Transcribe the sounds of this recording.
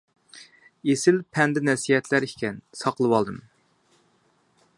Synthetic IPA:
esɪlpʰɛnd̪ɛnɛsijɛt̪ʰlæɾikʲɛnsɑqəlˠɨwɑlˠd̪ɨm

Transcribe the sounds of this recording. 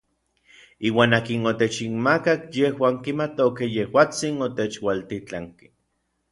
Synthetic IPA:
iːwaːnaːkinot̪et͡ʃinmakakjehwaːŋkimat̪okejehwaːt͡sinot̪et͡ʃwalt̪it͡ɬaŋki̥

